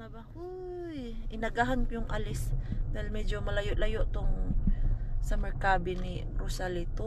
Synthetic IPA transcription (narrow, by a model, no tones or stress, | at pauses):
nabahu | jʔɪnɐɡaɦankʊjʊŋʔalɪsd̪ahilmɛd͡ʒomɐlajoʔlajoʔt̪oŋ | sɐmɛɾkabɪniɾosalit̪o